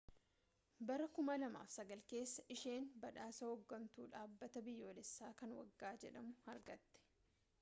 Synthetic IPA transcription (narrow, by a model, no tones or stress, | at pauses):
bɐɾɐkʊmɐlɐma̰ːfsɐɡɐlke̞ːsːɐʔɪʃe̞ːnbɐᶑaːsɐhɔɡːɐnt̪ṵːᶑaːbːɐt̪ɐbɪjːo̞ːlɛsːaːkɐnwɐ̰ɡːaːd͡ʒɛᶑɐmʊhɐɾɡɐt̪ːɛ̥